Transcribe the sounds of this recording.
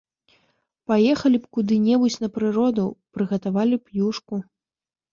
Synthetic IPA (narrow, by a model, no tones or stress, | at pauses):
pajɛxɐlʲipkud̪ɨnʲɛbut͡sʲnɐpɾɨɾɔd̪ɐwpɾɨɣɐt̪avalʲipjuʂku